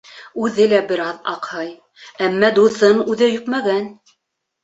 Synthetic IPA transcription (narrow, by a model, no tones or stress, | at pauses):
ʉðɘlæbɘ̆ɾɑðɑ̰qhɑj | æmːæd̪uθɤnʉðɘjɵpmæɡæn